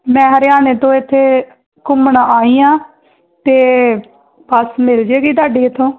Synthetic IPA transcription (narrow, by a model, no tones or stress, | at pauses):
mɛ̃ːɦəɾɪjaːneːt̪õːɪt̪ʰːeː | kʊmɳaːaːiːãː | t̪eː | pəsmɪld͡ʒeːɡiːt̪̬aːɖiːet̪ʰːõː